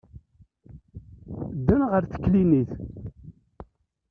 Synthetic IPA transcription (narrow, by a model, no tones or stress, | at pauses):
d̪ːænʁəɾθə̥kːliniθ